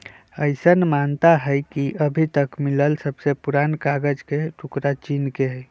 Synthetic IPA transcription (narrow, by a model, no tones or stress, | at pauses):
əɪsənmant̪aɦəjkiʔəbʱit̪əkmiləlsəbsepuɾankaɡəd͡ʒkeʈʰukɾat͡ʃinkeɦ